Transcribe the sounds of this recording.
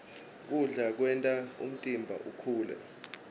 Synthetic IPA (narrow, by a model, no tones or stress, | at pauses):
k̬ʼuɮak̬wɛntʼaṵm̩tʼimbʱa̰ʔukʰuːlɛ̰